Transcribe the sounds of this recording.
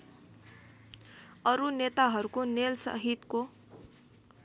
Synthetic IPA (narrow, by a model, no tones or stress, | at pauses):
ʌɾunet̪aɦʌɾukonelsʌ̰ɦit̪ko